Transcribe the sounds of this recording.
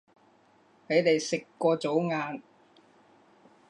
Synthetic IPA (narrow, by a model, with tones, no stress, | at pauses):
he˨˥jt̪e˨jsɪ˨kːɔː˧t͡so˨˥wŋaː˨˧n